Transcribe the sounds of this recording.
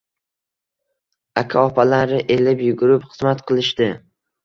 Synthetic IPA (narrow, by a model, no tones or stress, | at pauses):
akʲʰaɒpʰalaɾɪʔe̞lɪpjʊɡʊɾɪpχɨzmat̪qʰɨlˠɪʃt̪ɪ